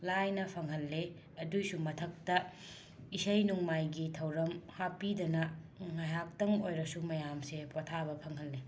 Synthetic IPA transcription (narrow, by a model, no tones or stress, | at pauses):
lajnɐpʰɐŋɦɐlːe | ɐdusumɐtʰɐk̚tɐ | isɐjnuŋmajɡitʰɐwɾɐmhapidɐnɐ | ŋajɦak̚tɐŋojɾɐsumɐjamsepʰotʰabɐpʰɐŋɦɐlːe